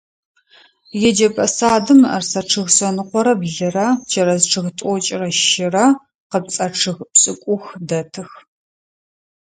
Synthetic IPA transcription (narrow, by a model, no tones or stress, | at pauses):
jɛd͡ʒɐpʼɐsaːdɨmɐ̰rsɐʈ͡ʂʰɨɣsɐnɨqʷɔɾɐbɮɨrɐd͡ʒɐɾɐzʈ͡ʂʰɨɣtʷʼɔt͡ʃʼɪrɐʃɪrɐ | qəp̚t͡sʼɐʈ͡ʂʰɨɣpɕʼɨkʷʼʊxdɐtʰɨx